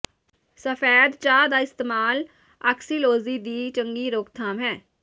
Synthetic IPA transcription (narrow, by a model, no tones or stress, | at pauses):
səfʰɛːd̪t͡ʃaːd̪aːɪst̪eːmaːl | aksiːloːziːd̪iːt͡ʃəŋɡiːɾoːkt̪ʰaːmɦɛː